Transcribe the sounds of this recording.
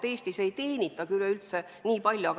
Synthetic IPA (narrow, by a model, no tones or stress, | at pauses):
e̞ːst̪ise̞jt̪e̞ːnʲit̪ːˑɑkylːeylt̪se | niːpɑlʲjuɑɡ